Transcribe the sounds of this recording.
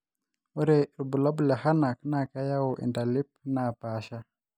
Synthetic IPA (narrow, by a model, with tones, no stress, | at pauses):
u˦ɾɛ˨ɾu˨bu˨la˦bu˨la˨ha˦na˨kna˨ka˦ja˦wɔ˨ʔḭ˨nda˨li˦p̚na˨pa˨˦ʃa˦